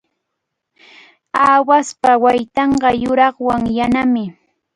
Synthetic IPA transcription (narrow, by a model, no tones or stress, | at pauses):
aːwaspawajt̪ɑɴɢɑjʊɾɑχwaŋjanamɪ